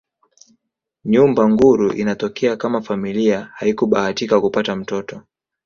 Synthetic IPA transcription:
ɲumbaŋɡuɾuʔḭnatɔkɛakamafamiliahaikuɓahatikakupatam̩tɔtɔ

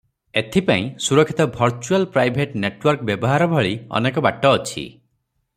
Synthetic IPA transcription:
et̪ʰipaĩsuɾɔkʰːi̥t̪ɔbʱɔɾt͡ʃualpɾajbʱeʈneʈwɔɾkbjɔbɔɦaɾɔbʱɔɭiɔ̰nekɔbaʈːɔːt͡ʃʰḭ

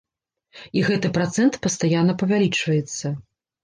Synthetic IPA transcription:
iɣɛt̪ɨpɾat̪sɛnt̪pɐst̪ajanːɐpɐvʲalʲit͡ʂvɐjɛt̪sːɐ

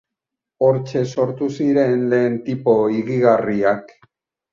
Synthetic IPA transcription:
o̞ɾt͡ʃe̞so̞ɾt̪usiɾe̞ːnle̞ːnt̪ipo̞iɣiɣariak

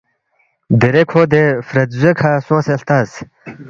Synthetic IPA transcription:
d̪eɾekʰoːd̪efɾɐd̪zekʰaːsõːselt̪aːs

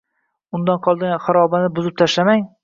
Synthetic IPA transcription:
ʊnd̪anqʰɒlˠd̪ɪɡʲanχɑɾɒbanɪbʊzɪp̚t̪ʰaʃlamaŋ

